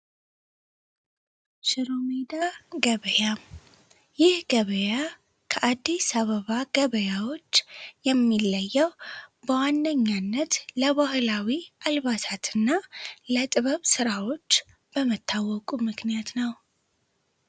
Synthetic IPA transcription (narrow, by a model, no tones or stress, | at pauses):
ʃɨɾomed̪aɡəβəja | jɪhɡəβəja | kʰəʔad̪ːisaβəβaɡəβəjawo̞t͡ʃːjɛmːilːəjːɛwbəwanːəɲːanːət̪ləβahlawiʔalβat̪ʰat̪ʰɨnːalət̪ʼɨβəβsɨɾawo̞t͡ʃː | b̥əmət̪ʰːawːɔkʼumɨknijat̪nəw